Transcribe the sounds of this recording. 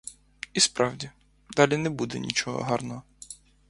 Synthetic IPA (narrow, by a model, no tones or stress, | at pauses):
ispɾɑwdʲi | d̪ɑlʲinɛbud̪ɛ̰nʲḭt͡ʃɔɦɔ̰ɦɑrnɔɦɔ